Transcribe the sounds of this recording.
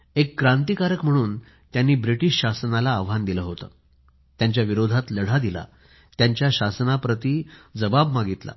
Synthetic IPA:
ekːɾãnt̪ikaɾəkm̤əɽ̃uːn | t̪janːiːbɾiʈiɕɕasnalaːʋɦand̪iləɦot̪ə̰ | t̪jaɲt͡ɕjaʋiɾod̪ʱat̪ləɽ̤ad̪ila̰ | t̪jaɲt͡ɕjaɕasnapɾət̪iːd͡zəbabmaɡit̪la̰

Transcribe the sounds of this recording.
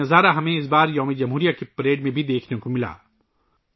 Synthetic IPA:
ɐzaːɾaɦɐmẽɪs̬baːɾjɔːmid͡ʒɐmɦuːɾijakepɾeːɖmẽbʱid̪eːkʰnekomɪla̰ː

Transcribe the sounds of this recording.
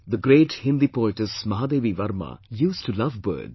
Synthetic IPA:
d̪əɡɾeːʈhɪ̃nd̪ipoɪʈɪsmɐɦaːd̪eːʋiʋɐɾma̰juːsʈulʌʋbə̰ːd

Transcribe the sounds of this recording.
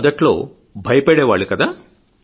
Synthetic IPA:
ɐd̪ɐʈlo̰ː | bʱɐjpeɽeʋaːɭikɐd̪ɐ

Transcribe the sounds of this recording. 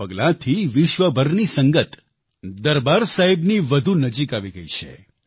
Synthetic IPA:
əɡlãt̪ʰiʋɪʃʋəbʱəɾnisəŋɡət̪ | d̪əɾbaɾsaɦibniʋəd̪ʱunəd͡ʒikaʋiɡəɦit͡ʃʰḛ

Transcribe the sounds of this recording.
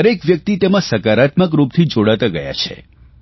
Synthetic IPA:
əɾekʋjək̚t̪it̪emãsəkaɾat̪mək̬ɾup̚t̪ʰid͡ʒoɽat̪aɡəja̰t͡ʃʰḛ

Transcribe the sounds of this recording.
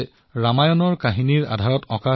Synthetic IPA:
ɹamajɔnɔɹkaɦiniɹa̰dʱaɹɔtɔka

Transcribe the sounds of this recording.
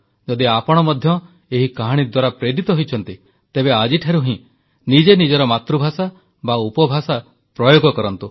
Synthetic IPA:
d͡ʒɔd̪iapɔɽ̃ɔmɔd̪ʱjɔ | eɦikaɦaɽ̃id̪waɾapɾeɾit̪ɔɦojt͡ʃʰɔnt̪i | t̪ebead͡ʒiʈʰaɾuɦĩ | nid͡ʒenid͡ʒɔɾɔmat̪ɾubʱasa | baupɔbʱasa | pɾɔjoɡɔkɔɾɔnt̪u

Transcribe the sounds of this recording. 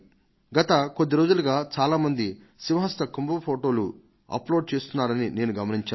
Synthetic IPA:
ɡɐt̪ɐkod̪ːiɾo̞ːd͡ʒulɐɡaːt͡ʃaːlaːmɐnd̪i | siʋɐɦɐst̪ɐkumbɐɐpʰoːʈo̞ːlu | ɐ̰plo̞ːɖ̚t͡ʃe̞ːst̪unːaːɾɐnine̞ːnuɡɐmɐniɲt͡ʃaː

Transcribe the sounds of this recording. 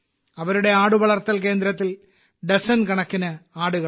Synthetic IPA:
ɐʋɐɾuɽe̞aːɽuʋɐɭɐrt̪ːɐlke̞ːnd̪ɾɐt̪ːil | ɖesɐnkɐɳɐkːinɐaːɽuɣɐ

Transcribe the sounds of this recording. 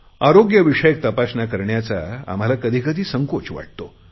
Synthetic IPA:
aɾoɡjəʋiʂəjek̚t̪əpasnakəɾɳjat͡sa̰a̰m̤alakəd̪ʱiːkəd̪ʱiːsəŋkot͡ɕʋa̰ʈ̚t̪o

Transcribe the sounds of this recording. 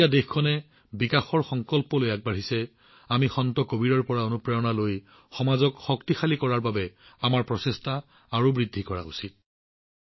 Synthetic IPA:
adexkʰɔnɛ | bikaxɔɹxɔŋkɔlpɔlojak̚baɹisɛ | amixɔntɔkobiɹɔɹpɔɹaonupɹɛjɔnaloj | xɔmazɔkxɔktixalikɔɹaɹbabɛamaɹpɹɔsestaː | ɹubɹidʱːikɔɹa̰ṵsit̚

